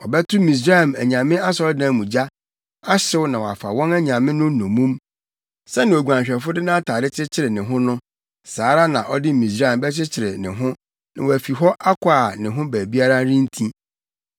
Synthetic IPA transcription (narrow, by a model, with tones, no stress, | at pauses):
ɔ˨bɛ˦tʰʊ˦mĩ˨s̬ɾa˦˨mæ˨ɲã˨mɪ̃˦a˦sɔ˨˦dãː˨˦˨mũ˨d͡ʑa˦ | a˦ɕɪ˦wʊ˦nã˨wɔ˨a˨fa̰˨wɔ̃˦næ˦ɲã˨mɪ̃˦nʊ̃˦nõ˨mũ˦m | sɛ˦nɪ̃˨o˨ɡʷu˨ã˨ɲɕᶣɛ˨fʊ˦dɪ˦nã˦tʰaː˨ɾɪ˦t͡ɕʰɪ˦t͡ɕʰɪ˨ɾɪ˨nɪ̃˨ɦʊ̃˦nʊ̃˦ | saː˨˦ɾa˦nã˨ʔɔ˦dɪ˦mĩ˨s̬ɾa˦ɛ˨m˨bɛ˦t͡ɕʰɪ˦t͡ɕʰɪ˨ɾɪ˨nɪ̃˨ɦʊ̃˦ | nã˨wɔ˨æ˨fi˨ɦɔ˦ʔa˦kʰʊ˨˦a˨nɪ̃˨ɦʊ̃˦bæː˨bi˦a˦ɾa˦ɾĩ˦n̩˦tʰĩ˦